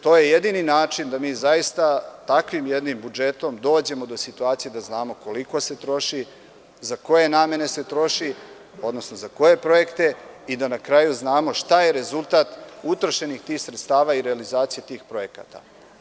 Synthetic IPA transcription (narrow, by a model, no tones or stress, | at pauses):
t̪o̞ːje̞je̞d̪ininaːt͡ʃind̪amiːzajist̪at̪akʋimje̞d̪nimbud͡ʒe̞t̪o̞md̪o̞ːd͡ʑe̞mo̞d̪o̞sit̪uaːt̪sijed̪aznaːmo̞ko̞liko̞se̞t̪ɾo̞ʃi | zako̞je̞naːme̞ne̞se̞t̪ɾo̞ʃi | o̞d̪no̞sno̞zako̞je̞pɾo̞je̞kt̪e̞id̪anakɾajuznaːmo̞ʃt̪aje̞ɾe̞zulˠt̪at̪ut̪ɾoʃe̞nixt̪iːxsɾet̪st̪aːʋaːiɾe̞alizaːt̪sijet̪iːxpɾo̞je̞ka̰ːt̪a̰